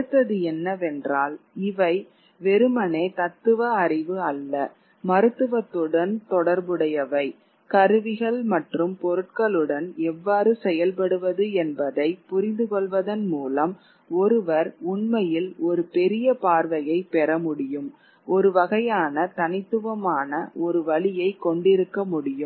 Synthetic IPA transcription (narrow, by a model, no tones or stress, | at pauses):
ɯt̪ːɐðɯɛnːɐʋɛndraːlɪʋɐɪ | ʋɛɾɯmɐneːt̪ɐt̪ːɯʋɐːrɪʋɯɐlːɐ | mɐɾɯt̪ːɯʋɐt̪ːɯɽɐnt̪ɔɽɐɾbɯɽɐjɐʋɐɪ | kɐɾɯʋɪɣɐɭmɐʈrɯmpɔɾɯʈ̚kɐɭɯɽɐnɛʋːaːɾɯsɛjɐlpɐɽɯʋɐðɯɛnbɐðɐɪpʊɾɪnd̪ɯkɔɭʋɐðɐnmuːlɐm | ɔɾɯʋɐɾʊɳmɐjɪlɔɾɯpɛɾɪjɐpaːɾʋɐjɐɪpɛɾɐmʊɽɪjɯm | ʔɔɾɯʋɐɣɐjaːnɐt̪ɐnɪt̪ːɯʋɐmaːnɐʔɔɾɯʋɐɭɪjɐɪkːɔɳɖɪɾɯkːɐmʊɽɪjɯm